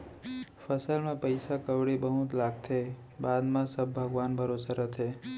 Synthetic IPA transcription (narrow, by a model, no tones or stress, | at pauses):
fʰəsəlmãpəjsakəʋɽibəɦut̪laɡt̪ʰe | bad̪mãsəbːʱəɡʋanbʱəɾosaɾət̪ʰe